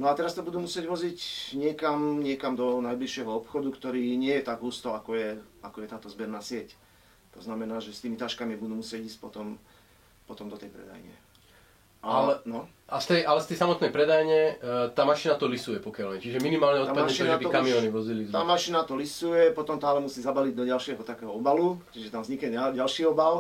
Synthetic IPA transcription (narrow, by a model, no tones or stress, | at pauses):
nɔat̪ɛɾast̪ɔbud̪uːmusɪɛɟʋɔzicɲɪɛkamɲɪɛkamd̪ɔnajbliʃɪɛɦɔɔpxɔd̪ukt̪ɔɾiːɲɪɛjɛt̪aɡɦuːst̪ɔakɔjɛakɔjɛt̪aːt̪ɔzbɛɾnaːsɪɛc | t̪ɔznamɛnaːʒɛst̪iːmit̪aʃkamibud̪uːmusɪɛɟiːsc̚ʲpɔ̰t̪ɔm | pɔt̪ɔmd̪ɔt̪ɛjpɾɛ̰d̪a̰jɲɛ̰ | ʔaɛnɔ | ast̪ɛjalɛst̪ɛjsamɔt̪nɛjpɾɛd̪ajɲɛt̪aːmaʃinat̪ɔlisujɛpɔkɪalmɛt͡ʃiʒɛminimaːlɲɛɔt̪aamaʃinaaɛbiɔkamiɔːniʋɔzilit̪aːmaʃinat̪ɔlisujɛpɔt̪ɔmt̪aːlɛmusiːzabaliɟd̪ɔɟalʃɪɛɦɔt̪akɛɦɔɔbalut͡ʃiʒɛt̪amzɲikɲɛaɟalʃiːɔbal